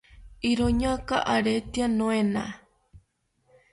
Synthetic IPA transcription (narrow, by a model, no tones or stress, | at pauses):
iɾoɲakaʔaɾet̪ianõenã